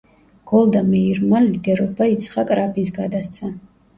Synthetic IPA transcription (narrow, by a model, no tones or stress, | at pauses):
ɡ̥ɔlˠd̪amɛiɾmalid̪ɛɾɔbait̪sʰχakʼɾapʰinsɡad̪ast̪sʰa